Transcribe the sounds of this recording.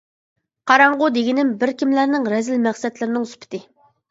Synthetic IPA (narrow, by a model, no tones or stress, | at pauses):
qʰɑɾɑɴʁʊd̪eɡʲɪnɪmbɪɾkʲʰimlæɾnɪŋɾɛzɪlmæχsɛt̪lɪɾɪnɪŋyspʰɪ̥t̪ʰɪ